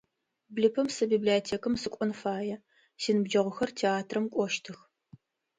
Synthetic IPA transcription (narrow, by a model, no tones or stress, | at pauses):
blɨpʰɐmsɐbibliɐtʰeːkɐmsɨkʷʼɔnfaːjɛ | siːnɨbd͡ʒɐʁʷʊxɐrtʰeaːtʰrɐmkʷʼɔʃtʰɨx